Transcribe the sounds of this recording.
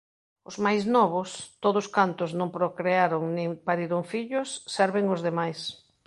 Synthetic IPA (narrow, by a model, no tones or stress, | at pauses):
ʊzmajznɔβʊst̪oðʊskant̪ʊznõŋpɾokɾeaɾoŋnɪ̃ŋpaɾiɾoŋfiʎʊsːɛɾβɪŋʊzðemajs